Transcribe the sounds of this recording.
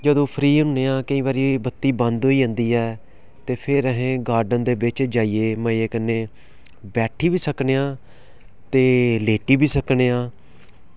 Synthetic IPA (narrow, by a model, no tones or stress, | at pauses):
d͡ʒəd̪õːpʰɾiːɦʊneːãːkəĩːβaːɾibət̪ːiːbə̃nd̪ɦoːiːə̃nd̪iːɛː | t̪eːpʰɪɾəɦẽːɡaːɾɖənd̪eːbɪt͡ʃd͡ʒaːiːeːməeːkənːeː | bɛːʈʰiːbiːsəkneːãː | t̪eːleːʈiːbiːsəkɳeːãː